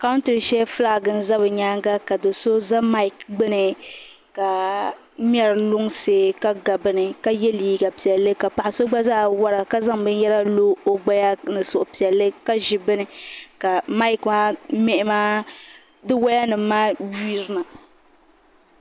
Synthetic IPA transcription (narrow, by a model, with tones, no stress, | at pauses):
ka˦n˦tɨ˨ɾɨ˨ʃɛ˦fɨ˦laː˦˨ɡɨ˨n̩˦za˦βɨ˨ɲaː˦ŋɡa˦ka˨dɨ˨so˦za˦ma˦i˨kɡ͡bɨ˦nɨ˨ | ka˨ | mi˦ɛ˦ɾlʊ˦ŋse˨ka˦ɡa˨bɨ˨nɨ˨ka˦jɛ˦liː˦˨ɡa˨pi˨ɛ˨lːɨ˦ka˨pa˨ʔa˨so˦ɡ͡ba˦zaː˦˨wa˦ɾa˨ka˦za˦ŋbɨ˦n˦jɛ˦la˦loː˦o˦ɡ͡ba˦ja˦nɨ˨sʊ˨ʔʊ˨pi˨ɛ˨lːɨ˦ka˦ʒi˨bɨ˦nɨ˦ka˨ma˦i˦˨kma˦mɛ˦ʔɪ˦maː˦ | dɨ˦wa˦ja˦nɨ˨maː˦wi˦ɾɨ˦na˨